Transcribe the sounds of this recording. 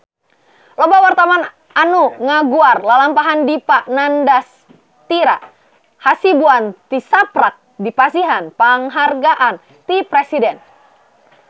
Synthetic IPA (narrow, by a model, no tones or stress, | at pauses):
lɔbawart̪aman | anuŋaɡuarlalampaɦandipaʔnandas | t̪iɾa̰ | hasibuant̪isapɾak̚dipasiɦanpaŋɦarɡaʔan | t̪ipɾɛsidɛn